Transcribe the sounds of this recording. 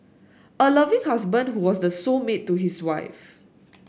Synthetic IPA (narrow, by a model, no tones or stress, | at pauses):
ʔəlavɪ̃ŋhas̬bə̃ndhuwɔsdəsomet̚ːuɦiswaɪf